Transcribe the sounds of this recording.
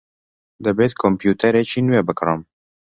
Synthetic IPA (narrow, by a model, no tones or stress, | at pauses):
d̪ɨbeːt̪kʰompjuːt̪ʰɛɾet͡ʃʰiːnuweːbɨkɾəm